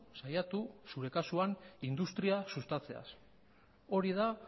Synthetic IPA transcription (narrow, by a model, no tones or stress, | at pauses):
sajat̪usuɾe̞kasuanind̪ust̪ɾiasust̪at͡se̞̰a̰s | o̞ɾiða